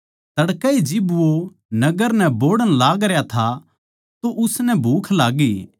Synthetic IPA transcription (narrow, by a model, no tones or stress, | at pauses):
t̪ɐɽkɛid͡ʒɪbʋo | nɐɡəɾnɛ̃boːɽənlaːɡɾjat̪ʰa | t̪oʔʊsnɛbʱuːkʰlaːɡeː